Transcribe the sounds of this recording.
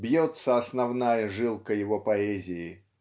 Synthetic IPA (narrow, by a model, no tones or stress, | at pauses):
bjɔt̪səɐsnɐvnajəʐɨlˠkəjɪvɔpɐɛzʲɪjɪ